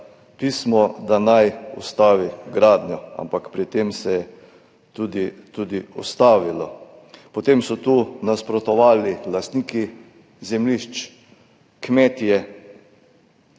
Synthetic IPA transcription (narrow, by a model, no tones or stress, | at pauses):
piːsmɔd̪anajṵst̪aːʋiɡɾaːd̪njɔa̰mpakpɾit̪emsɛjɛ | t̪ud̪it̪ud̪iɔst̪aːʋilɔ̰ | pɔt̪emsɔt̪uːnaspɾɔt̪ɔʋaːlilast̪niːki | zɛmliʃt͡ʃ | kmɛt̪ijɛ